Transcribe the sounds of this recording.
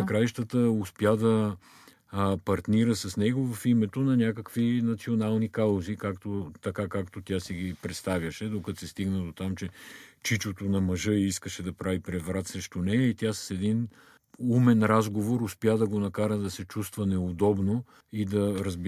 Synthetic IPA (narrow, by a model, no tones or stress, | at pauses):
kɾajʃt̪ət̪əʊspjad̪ɐ | pɐɾt̪niɾəsɐsnɛɡovɐfimɛt̪onɐnʲakəkvinɐt̪sionalˠnikalˠozikakt̪ot̪ɐkakakt̪ot̪ʲjasiɡipɾɛt̪st̪avjɐʃɛd̪okɐt̪sɛst̪iɡnəd̪ot̪amt͡ʃɛt͡ʃit͡ʃot̪onɐmɐʒɤiiskəʃɛd̪ɐpɾavipɾɛvɾat̪sɾɛʃt̪onɛjəit̪ʲjasɐ̥sɛd̪in | umɛnɾazɡovoɾʊspʲjad̪ɐɡonɐkaɾəd̪ɐsɛt͡ʃust̪vɐnɛod̪ɔbno | id̪ɐɾəzb